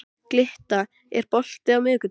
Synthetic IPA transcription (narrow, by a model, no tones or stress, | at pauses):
klɪht̪a | ɛ̰ɾpɔl̥t̪ɪawmʏːkʏ